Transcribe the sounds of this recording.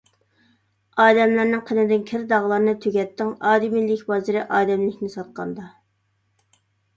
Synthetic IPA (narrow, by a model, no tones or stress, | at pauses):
ɑːd̪ɛmlæɾnɪŋqʰənɪd̪ɪnkʲʰɪɾd̪ɑʁlˠɑɾnɨt̪ʰøɡʲɛt̪ʰːɪŋɑːd̪imilːɪkʲbɑzɨɾɪʔɑːd̪ɛmlɪkʲnɪsɑt̪̚qʰɑ̰nd̪ɑ